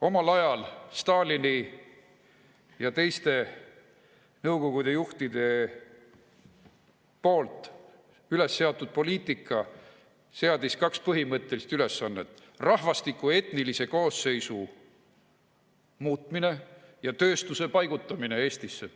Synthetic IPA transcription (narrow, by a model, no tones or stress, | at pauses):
o̞mɑlɑjɑlst̪ɑːlini | jɑt̪e̞jst̪e̞ | nɤwko̞ɡ̥ud̪e̞juht̪id̪̥e̞ | po̞ːlt̪ˑ | yle̞sːe̞ɑt̪ːˑud̪̥̚po̞lʲiːt̪ˑikːˑɑ | se̞ɑd̪̥iskɑkspɤɦimɤt̪ˑːelist̪yle̞sːɑnːe̞t̪ːˑ | rɑhvɑst̪ikːˑue̞t̪nilise̞ko̞ːsːe̞jsu | muːt̪ˑmine̞jɑt̪ø̞ːst̪use̞pɑjɡ̥ut̪ːˑɑmine̞e̞ːst̪isːe